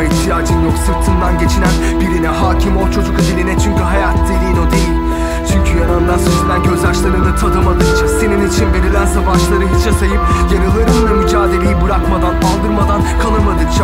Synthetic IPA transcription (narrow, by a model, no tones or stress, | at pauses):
iht̪ʰijaːd͡ʒɯnjo̞ksɯɾt̪ʰɯnd̪anɟe̞t͡ʃʰinæn | biɾinɛɦaːcʰimo̞t͡ʃʰo̞d͡ʒukad̪ilʲinɛt͡ʃʰyɲcyɦajat̪ʰd̪ilʲijino̞d̪e̞jilʲ | t͡ʃʰyɲcʰyjanand̪ansyzilʲænɟøzlʲaʃlˠaɾɯnd̪at̪ʰad̪ɯmad̪ɯkd͡ʒase̞ninit͡ʃʰinve̞ɾilʲænsabaʃlˠaɾɯbit͡ʃʰasajɯp̚jaɾɯlˠaɾɯmamyd͡ʒaːd̪e̞lʲejibɯɾakmad̪analˠd̪ɯɾmad̪ankʰalnɯɾmad̪ɯkd͡ʒa